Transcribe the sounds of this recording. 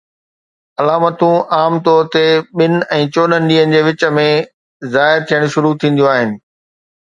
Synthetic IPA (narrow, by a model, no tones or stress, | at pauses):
ɐlaːmət̪ũʔaːmt̪ɔːɾt̪eɓɪn̆ɛ̃ːt͡ɕoːɗənɪ̆ɗiːɦənɪ̆d͡ʑeːʋɪt͡ɕə̆mẽ | zaːɪɾt̪ʰijəɽ̃ʃʊɾut̪ʰĩːnd̪ijoaːɦɪnɪ̆